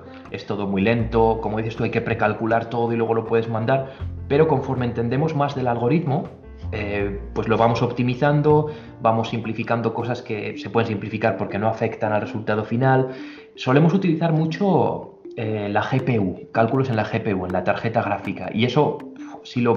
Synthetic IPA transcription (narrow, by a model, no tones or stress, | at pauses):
e̞st̪o̞ðo̞mwuile̞nt̪o̞komo̞ðiθe̞st̪uajke̞pɾe̞kalkulaɾt̪o̞ðo̞ilwe̞ɣ̞o̞lo̞pweð̞e̞zmãnd̪aɾpe̞ɾo̞ko̞ɱfo̞ɾment̪e̞nd̪e̞mo̞zmazðe̞lalɣo̞ɾiðmo̞ | epwe̞zlo̞βamo̞so̞pt̪imiθand̪o̞ | bamo̞sːimplifikand̪o̞ko̞saske̞se̞pwe̞ð̞e̞nsimplifikaɾpo̞ɾke̞no̞afe̞kt̪analre̞sult̪að̞o̞final | so̞le̞mo̞sut̪iliθaɾmut͡ʃo̞ | elaxe̞pe̞ukalkulo̞se̞nlaxe̞pe̞ue̞nlat̪aɾxe̞t̪aɣ̞ɾafika̰ʔḭe̞so̞silo̞